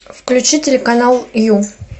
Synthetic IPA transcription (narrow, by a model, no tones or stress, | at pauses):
fklʲʉt͡ɕitʲɪlʲɪkɐnalˠju